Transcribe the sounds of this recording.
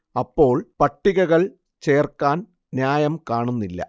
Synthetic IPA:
ɐpːo̞ːɭpɐʈːiɣɐɣɐɭ | t͡ɕe̞ːrkaːn | njaːjɐmkaːɳunːilːɐ̰

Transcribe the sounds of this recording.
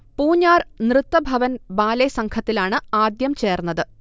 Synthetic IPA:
puːɲːaːrnrɨt̪ːɐbʱɐʋɐnbaːlesɐŋkʰɐt̪ːilaːɳɨaːd̪jɐmt͡ɕeːrnːɐðɨ

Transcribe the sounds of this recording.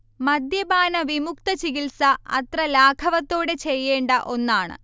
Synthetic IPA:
mɐd̪jɐbaːnɐʋimukt̪ɐt͡ɕiɣilsɐɐ̰t̪rɐlaːkʰɐʋɐt̪ːo̞ːɽe̞t͡ɕe̞jːe̞ːɳɖɐʔo̞nːaːɳɨ̰

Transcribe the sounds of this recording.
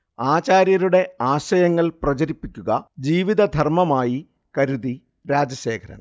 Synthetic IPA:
aːt͡ɕaːɾjɐɾuɽe̞aːɕɐjɐŋːɐɭprɐt͡ɕɐɾipːikʲːuɣɐd͡ʑiːʋiðɐd̪ʱɐrmɐmaːji | kɐɾuði | ɾaːd͡ʑɐɕe̞ːkʰɐɾɐ̰n

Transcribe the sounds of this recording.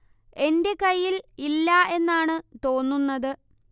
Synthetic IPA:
e̞nde̞kɐjːililːɐe̞nːaːɳɨt̪o̞ːnːunːɐðɨ

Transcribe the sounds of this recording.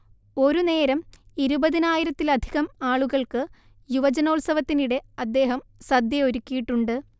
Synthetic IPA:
o̞ɾune̞ːɾɐmiɾubɐðinaːjiɾɐt̪ːilɐd̪ʱiɣɐmaːɭuɣɐɭkɨ | juʋɐd͡ʑɐno̞ːlsɐʋɐt̪ːiniɽe̞ɐd̪ːe̞ːɦɐmsɐd̪jɐo̞ɾukʲːijiʈːuɳɖɨ

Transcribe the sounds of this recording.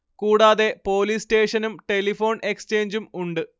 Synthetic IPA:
kuːɽaːðe̞po̞ːliːsʈe̞ːʂɐnumʈe̞lifo̞ːne̞kst͡ɕe̞ːɲd͡ʑumuɳɖɨ

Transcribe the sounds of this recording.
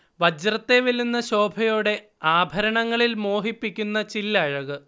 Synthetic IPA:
ʋɐd͡ʑrɐt̪ːe̞ʋelːunːɐɕo̞ːbʱɐjoːɽe̞ | aːbʱɐɾɐɳɐŋːɐɭilmo̞ːɦipːikʲːunːɐt͡ɕilːɐɻɐɣɨ

